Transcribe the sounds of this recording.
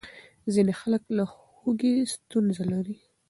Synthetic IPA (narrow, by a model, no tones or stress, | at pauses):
zinexaləkla | hoɡest̪unzalaɾi